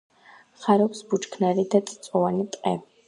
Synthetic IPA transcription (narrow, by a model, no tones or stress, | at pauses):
χaɾɔpsbut͡ʃkʰnaɾid̪at̪ʼt̪sʼɔvanit̪ʼqʼɛ̰vi